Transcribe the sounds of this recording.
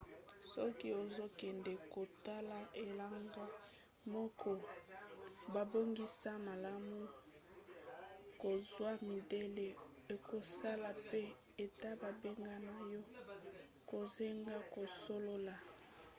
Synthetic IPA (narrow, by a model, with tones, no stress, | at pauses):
sɔ˦ki˦o˨zo˦kɛ˨ndɛ˨ko˨ta˦la˦e˨la˦ŋɡa˦ | mɔ˦kʰɔ˦ | ba˨bo˦ŋɡi˦sa˦ma˨la˦mu˦ | ko˨zwa˦mi˨de˦le˨ | e˨ko˨sa˦la˨pe˦ | e˨ta˦ba˨be˦ŋɡa˦na˨jɔ˦ | ko˨ze˦ŋɡa˦ko˨so˦lo˦la˨